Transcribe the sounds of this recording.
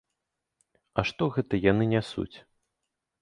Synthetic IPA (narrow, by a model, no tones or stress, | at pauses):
ɐʂt̪ɔɣɛt̪ɐjanɨnʲasṵt͡sʲ